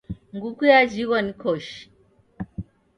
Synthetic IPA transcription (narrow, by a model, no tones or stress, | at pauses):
ŋɡukujad͡ʒiɣɔnikɔʃ